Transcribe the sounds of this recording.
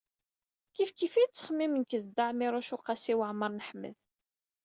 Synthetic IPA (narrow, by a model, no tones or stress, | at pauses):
kifkifit͡sːə̥χmːimənkəðd̪ːaʕmiɾˤʊʃʊqasiwəʕməɾˤnəħmːə̰ð